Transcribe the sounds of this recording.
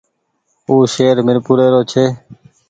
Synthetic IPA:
uːʃeːɾmɪɾpuːɾeːɾoːt͡ʃʰeː

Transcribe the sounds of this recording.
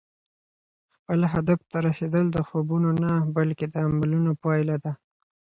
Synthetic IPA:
xpəlɦad̪aft̪aɾased̪əld̪əxobunonabalked̪əamalunopɑjlad̪a

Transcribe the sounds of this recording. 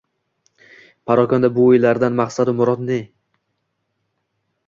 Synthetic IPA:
pʰaɾɒkʰɒnd̪abʊːjlaɾd̪anmaχsad̪ɪmʊɾɒd̪ne

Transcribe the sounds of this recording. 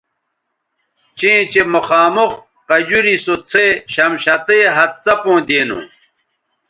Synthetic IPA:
t͡ɕẽːt͡ɕemuxaːmux | qɐd͡ʑuɾisot͡sʰeɕɐmɕɐt̪eɦɐt̪̚t͡sɐpõːd̪eːnṵ̃

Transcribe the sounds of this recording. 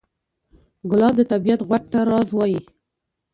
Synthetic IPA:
ɡʊlɑd̪ət̪abijat̪ɣwak̚t̪aɾɑzwɑji

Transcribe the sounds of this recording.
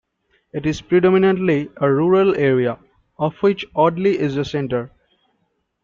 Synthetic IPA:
ɪʈɪzpɾiɖɔminə̃ɳʈliəɾuːɾəleɾia | ɔfwɪt͡ʃɔɖliʔɪzəsɛ̃ɳʈəɾ

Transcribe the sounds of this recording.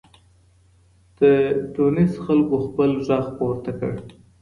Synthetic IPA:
d̪̥əʈunisxalkoxpəlʒɑɣpoɾt̪akə̰ɽ

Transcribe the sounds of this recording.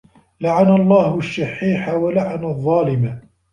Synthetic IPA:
laʕanalˤːɑːhʊʃːɑħːiːħawalaʕanaðˤːɑːlɪma

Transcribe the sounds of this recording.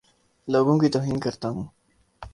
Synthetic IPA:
loːɡõːkit̪oːɦiːnkɐɾt̪aːɦũː

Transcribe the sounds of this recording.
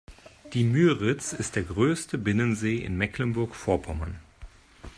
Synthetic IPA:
d̥iːmyːʁɪt͡sɪstd̥eːɐɡʁøːstʰəbɪnənzeːʔɪ̰nmɛklənbʊɐkfoːɐpʰɔma̰n

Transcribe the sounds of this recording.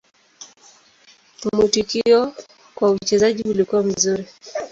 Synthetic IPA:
mutukiɔ | kwaut͡ʃɛzaʄiulikuwam̩zuɾi

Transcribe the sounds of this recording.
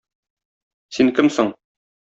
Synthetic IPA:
siŋkɘmsoɴ

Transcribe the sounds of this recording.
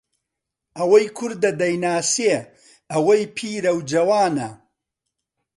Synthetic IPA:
ʔɐwɐjkʰʊɾd̪ɐd̪ɐjnaːse | ɐwɐjpʰiːɾɐwd͡ʒɐwaːnɐ

